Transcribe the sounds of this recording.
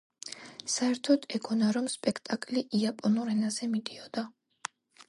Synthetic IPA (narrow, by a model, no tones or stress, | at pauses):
saɛɾt̪ʰɔd̪ɛɡʰɔnaɾɔmspʼɛkʰt̪ʼakʼliʔiapʼɔnuɾɛnazɛmid̪iɔd̪̥a